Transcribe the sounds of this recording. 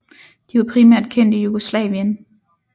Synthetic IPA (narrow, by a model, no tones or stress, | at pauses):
d̥iʋɑ̈pʰʁimæɐ̰d̥kʰen̰d̥ijuɡ̥oslɛ̰ːʋiən